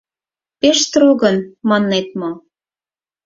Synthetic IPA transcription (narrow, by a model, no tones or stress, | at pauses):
peʃt̪ɾoɣɤ̆nmɑnːet̪̚mo